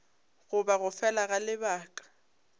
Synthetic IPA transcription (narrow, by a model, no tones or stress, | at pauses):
ɣʊbaɣʊfɛlaɣalɪbaːkʼḁ